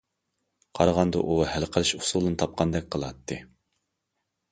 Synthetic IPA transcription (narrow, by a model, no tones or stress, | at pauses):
qʰɑɾʁɑnd̪ɑ̰ʔuhælqʰəlˠɨʃusulˠd̪ɨnɨt̪ʰɑp̚qʰɑnd̪ɛk̚ʲqʰəlˠɑt̪ʰːɨ